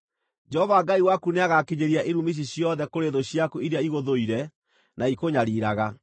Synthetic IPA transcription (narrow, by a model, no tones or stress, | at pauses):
d͡ʒɛhɔvaɡaiwakuneaɣakeɲeɾiaʔeɾumiɕ̬iɕjɔðɛkoɾeðoɕjakuiɾeaiɣoðoiɾɛ | naikoɲaɾiɾaɣa